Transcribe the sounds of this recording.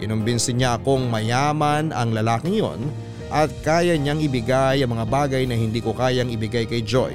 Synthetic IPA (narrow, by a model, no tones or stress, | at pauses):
kɪnʊmbɪnsɪɲaɐkoŋmɐjaːmɐnʔɐŋlɐlaːkɪŋjo̰n | ʔɐt̪̚kaːjɐɲaŋɪbɪɡajɐŋmɐŋabaːɡɐjnɐhɪnd̪iːkokaːjɐŋɪbɪɡajkɐjd͡ʒo̰j